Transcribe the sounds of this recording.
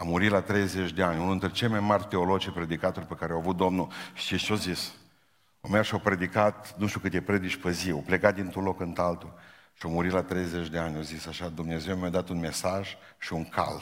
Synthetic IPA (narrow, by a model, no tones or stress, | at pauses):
amuɾit̪lat̪ɾe̞jze̞t͡ʃʲd̪e̞anʲununɾʲet͡ʃe̞lmajmarʲt̪e̞o̞lo̞d͡ʒepɾe̞d̪ikat̪orʲpe̞kaɾeawavut̪̚d̪o̞mnuʃiʃiozis | omerʃiopɾe̞d̪ikat̪nuʃt̪ʲjukɨt̪ʲepɾe̞d̪it͡ʃʲpeziopleɡat̪̚d̪int̪ɾunlo̞kɨnt̪alt̪u | ʃiomuɾit̪lat̪ɾe̞jze̞t͡ʃd̪e̞anʲozisaʃad̪umne̞ze̞wmeaad̪at̪unme̞saʒ | ʃiuŋkʰa̰l